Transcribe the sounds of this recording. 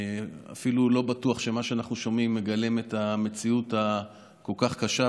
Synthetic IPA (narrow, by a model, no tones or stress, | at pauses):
a̰filulo̞batuaχʃe̞maʃeanaχnuʃo̞mimːe̞ɡalemetame̞t͡siuta | ko̞lkaχkaʃa